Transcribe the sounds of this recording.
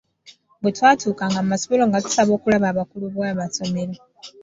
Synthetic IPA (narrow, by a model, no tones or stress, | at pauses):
mbutʰwatʰukaŋɡammasu̥βoloŋɡatu̥saβoːkulaβaβakuluβwaβasomele